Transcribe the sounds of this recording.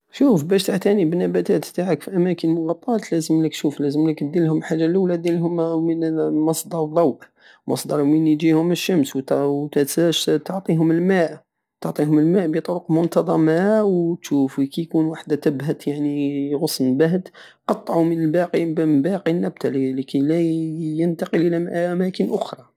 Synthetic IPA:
ʃufbæʃt̪aʕt̪ænibənːæbæt̪æt̪t̪aʕəkfiʔæmækənmʊɣɑt̪ˤːɑt̪læzəmlək̪̚ʃuflæzəmləkbd̪ilhʊmħaʒːalʔulæd̪ilɦʊmmənmɑsd̪ɑɾˤðˤːɑwʔ | mɑ̰sˤd̪ɑɾˤwmənjihʊməʃːəmsw̪wt̪ææʃt̪oʕt̪ˤiɦʊməlmaʔ | t̪oʕt̪ˤiɦʊməlmaʔbit̪ˤoɾʊqmʊnt̪ɑd̪ˤɑmawt̪ʃufikæjkunwaħd̪æt̪əbɦæt̪jaʕniɣʊsnbaɦd̪ | qɑt̪ˤːʕumənəlbɑqibbæqinːæb̚t̪allikælæjənt̪ɑqəlʔəlæmʔʔæmækənʔʊxɾˤɑ

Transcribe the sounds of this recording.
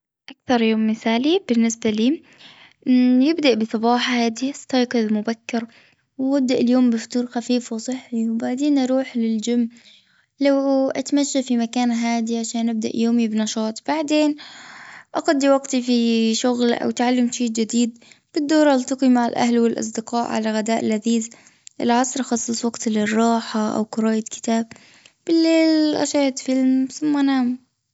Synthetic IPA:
ʔakθɑɾˤjoːmːɪθaːlibɪnːɪsbaliː | jɪbd̪aʔbɨsˤɑbɑːħɑhaːd̪ist̪ɑjqɨðˤmʊbakːɪɾ | wwab̚d̪aʔɪljoːmbɪft̪uːɾˤxafiːfwsˤɨħːiwbaʕd̪eːnʔɑɾˤuːħlɪld͡ʒamː | lawʔat̪maʃːafimakaːnɦaːd̪iʕaʃaːnʔab̚d̪a̰ʔjoːmibnɑʃɑːt̪ˤb̥aʕd̪eːn | ʔɑɣad̪ːiwɑɡt̪ifiʃʊɣlʔa̰wt̪ʕalːamʃiːd͡ʒɪd̪iːd̪b̥ɪd̪ːʊːɾˤɑlt̪ɑqimaʕalʔa̰ɦlwɪlʔɑ̰s̬ˤd̪ɪqɑːʔʕa̰laɣad̪aːʔɪlʕaðiːz | ʔɪ̰lʕɑsˤɾˤʔxɑsˤːɨsˤwɑɡt̪lɪrˤːɑːħaʔa̰wqʊɾˤɑːjakɪ̥t̪aːb̚ | b̥ɪlːeːlʔa̰ʃaːt̪fɪlmθʊmːanaːm

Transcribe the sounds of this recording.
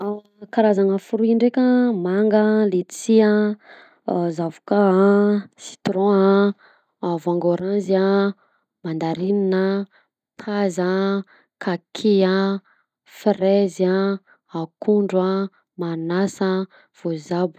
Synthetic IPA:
aw | kaɾazaŋəfuɾuiɳɖ͡ʐekʲəmaŋɡəlet͡sia | zavu̥ka | si̥t̪ɾɔ̃aː | vaŋɡoɾanzia | mand̪aɾininə | t̪ʰaza | kakʰia | frɛza | akuɳɖ͡ʐwa | manasə | v̥ozabu̥

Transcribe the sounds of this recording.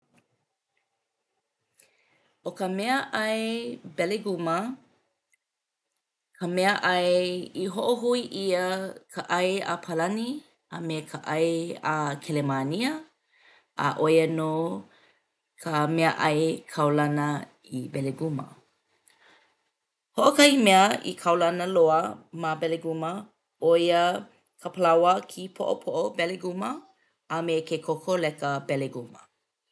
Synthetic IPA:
okəmɛəʔɐjbɛleɡumə | kʰəmɛəʔɐjiɦoʔoɦuiʔiəkʰəʔɐja̰pʰalɐni | amekʰəʔɐjakʰelemaniə | ʔa̰ʔojənoː | kʰəmɛəʔɐjkʰɐwlɐnə | ibɛleɡumə̰ | hoʔokɐimɛəḭkʰɐwlɐnəloəmabɛleɡumə | ojə | kʰəpʰəlawəkʰipʰo̰ʔo̰pʰoʔobɛleɡumə | ameːkʰekʰokʰolɛkəbɛleɡumə̰

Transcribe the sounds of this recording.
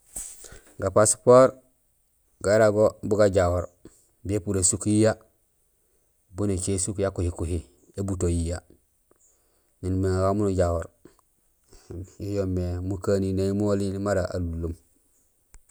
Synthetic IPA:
ɡapaspoːɾ | ɡaɾaɡobuɡaɟawoɾ | bepuɾesukjija | bunet͡ʃesukjakuhikuhi | ebutojija | ɲinmeŋɡamunuɟawoɾ | ijomːemukaninaimolinimaɾaʔa̰lulːum

